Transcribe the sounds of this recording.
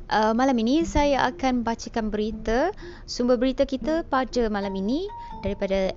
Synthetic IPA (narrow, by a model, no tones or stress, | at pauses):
ʔəmãlaminĩsajaʔa̰kanbat͡ʃəkanbəɾit̪ə | sumbəbəɾit̪akit̪əpadamãlaminĩ | daɾipada